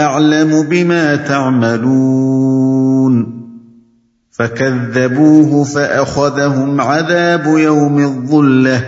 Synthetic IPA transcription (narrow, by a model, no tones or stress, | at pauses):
ʔaʕlamʊbɪmaːt̪aʕmaluː | n | fakaðːabuːɦʊfaʔaxaðaɦʊmʕaðaːbʊjawmɪðˤːʊlːa